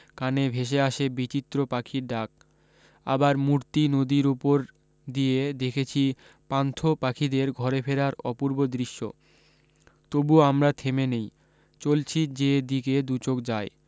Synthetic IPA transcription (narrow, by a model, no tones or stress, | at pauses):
kanebʱeʃ̬eaʃebit͡ɕit̪ːɾopakʰiɾɖak̚ | a̰baɾmuɾt̪inod̪iɾupoɾ | d̪ijed̪ekʰet͡ɕʰi | pant̪ʰopakʰid̪eɾɡʱɔɾefʰeɾaɾɔpuɾbod̪ɾiʃːo̰ | t̪obuamɾat̪ʰemenej | t͡ɕolt͡ɕʰid͡ʑed̪iked̪ut͡ɕok̚d͡ʑae